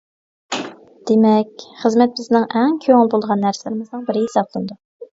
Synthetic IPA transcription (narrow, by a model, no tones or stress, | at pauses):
d̪̥emɛkʲχəzmɛt̪̚bɪznɪŋʔɛŋkʲʰøŋɪlˠbolˠʁɑnːæɾsɪlɪɾɪmɪznɨŋbɪɾɪɦesɑp̚lˠɨnd̪u